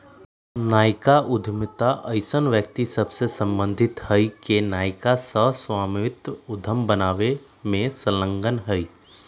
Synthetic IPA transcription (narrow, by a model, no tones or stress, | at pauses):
naːɪkaʔʊd̪ʱmt̪aʔəɪsənʋjək̚t̪isəbsesə̃mbə̃nd̪ʱɪt̪həikenaːɪkasəswaːmɪt̪ʊd̪ʱəmbənaːʋe | mẽsələ̃ŋɡənɦəi